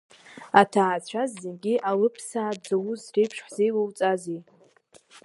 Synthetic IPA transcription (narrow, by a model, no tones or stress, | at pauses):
atʰaːt͡ɕʷʰazːenɡʲiʔalɨpʰsaːd͡zawuzrejpʰʂħzejlawt͡sʼazi